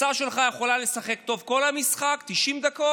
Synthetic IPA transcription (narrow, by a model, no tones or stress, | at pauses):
saʃe̞lχaje̞χo̞lale̞saχe̞kt̪o̞vko̞lhamisχakt̪iʃimd̪ako